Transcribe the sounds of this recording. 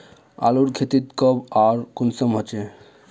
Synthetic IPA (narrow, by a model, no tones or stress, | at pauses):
a̰luɾkʰet̪it̪kɔbaɾkunsəmɦɔt͡ʃe